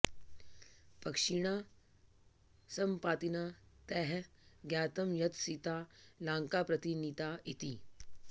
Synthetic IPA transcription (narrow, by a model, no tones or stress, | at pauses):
pɐkʂiɳ̃a | sɐmpaːt̪inat̪ɛɦɡjaːt̪ɐmjɐt̪sit̪aːlãːŋkapɾɐt̪init̪ait̪iː